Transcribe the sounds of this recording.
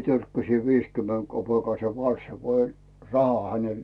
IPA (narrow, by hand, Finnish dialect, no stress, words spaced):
tørkːæsi ʋiskymːeŋ kopeˑkɑise kɑn̞sːɑ ko olʲ rɑhɑ hænel